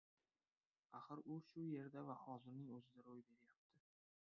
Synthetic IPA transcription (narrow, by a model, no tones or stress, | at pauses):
aχɨɾʊʃʊje̞ɾd̪avahɒzɪɾnɪŋɵzɪd̪aɾojbe̞ɾɪjap̚t̪ʰɪ